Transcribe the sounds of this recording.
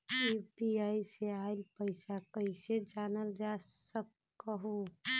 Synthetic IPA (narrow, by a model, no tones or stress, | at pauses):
piːbiaːiseaːɪlpəɪsakəɪsed͡ʒaːnəld͡ʒaːsək | əɦo